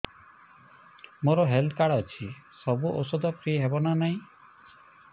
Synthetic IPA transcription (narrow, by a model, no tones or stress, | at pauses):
moɾɔɦeld̪kaɽɔt͡ʃʰisɔbuʔo̰sɔd̪ɔpɾiɦebɔnanaĩ